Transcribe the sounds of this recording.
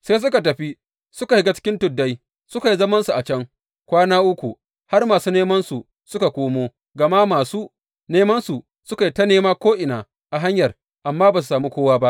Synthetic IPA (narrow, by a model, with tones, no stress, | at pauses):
seː˦s̬ʊ˦ka˨tɐ˨ɸi˦ | sʊ˦ka˨hɪ˦ɡa˦t͡ʃɪ̥˦kʲɪ˦ntʊ˨dːa˦j | sʊ˦ka˨ji˦zɐ˦mɐ˦nsu˨ʔa˨t͡ʃɐ˦ŋ | kʷaː˦naː˦ʔʊ˦kʷu˨ | ha˦rmaː˨suː˦neː˦mɐ˦nsu˨ | sʊ˦ka˨kʷoː˦moː˦ | ɡɐ˨ma˦maː˨suː˦ | neː˦mɐ˦nsu˨ | sʊ˦ka˨ji˦tɐ˦neː˦maː˦kʷoː˦ʔɪ˨naː˨ | ʔa˨ɦa˦ɲjɐ˨r | ʔa˨mːaː˦baː˨s̬u˨saː˨miː˦kʷoː˦waː˦ba˦ʔ